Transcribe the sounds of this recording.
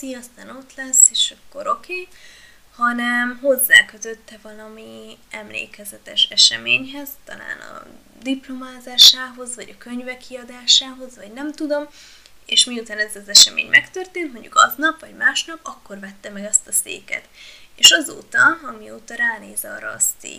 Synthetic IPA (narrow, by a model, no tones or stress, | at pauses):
t̪iɒst̪aːno̞t̪lɛsːeːʃɒkːo̞ɾo̞kʰeː | hɒnɛmɦo̞zːa̰ːkøt̪øt̪ːɛvɒlɒmiɛmlḛːkɛzɛt̪ɛʃɛʃɛmeːɲɦɛzt̪ɒ̰la̰ːnɒ̰ | d̪iplo̞maːzaːʃaːɦo̞zvɒɟɒkøɲvɛkʰːiɒd̪aːʃaːɦo̞zvɒɟnɛmt̪ud̪o̞m | eːʃmiut̪aːnɛzɒzɛʃɛmḛːɲmʔɛkt̪ørt̪eːnt̪mo̞ɲɟṵkɒznɒpʋɒɟmaːʃnɒpɒkːo̞rvɛt̪ːɛmɛɡɛst̪ɒsḛːkɛ̰t̪eːʃɒzo̰ːt̪ɒɒmioːt̪ɒɾaːneːzɒɾɒ̰st̪ḭ